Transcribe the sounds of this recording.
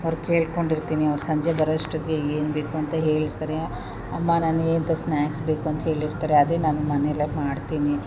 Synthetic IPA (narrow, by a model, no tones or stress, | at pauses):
ɐʋɾuke̞ːɭko̞ɳɖiɾt̪iːniɐʋɾusɐɲd͡ʒebɐɾɐd̪ɐʂʈod̪iɡeeːnbe̞ːkuɐnt̪ɐɦe̞ːɭiɾt̪aːɾe | ɐmːanaːnueːnt̪ɐsnaːksbeːkuɐnt̪ɐɦe̞ːɭiɾt̪aːɾeɐd̪eːnaːnumɐnelemaːɖt̪iːni